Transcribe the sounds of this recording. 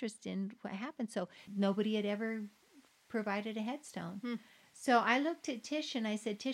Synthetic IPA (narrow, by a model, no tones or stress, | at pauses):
ɹ̥ɨstɪ̃nwʌ̰t̚ɦæpɨ̃nd̥soʊnoʊbɨɾiɨɾɛvə˞ | pʰɹ̥ɨvaɪɾɨɾɨɦɛd̥stõ̰ʊ̃n | soʊʔaɪlʊk̚tɨtʰɪʃɨ̃naɪsɛd̚tʰɪ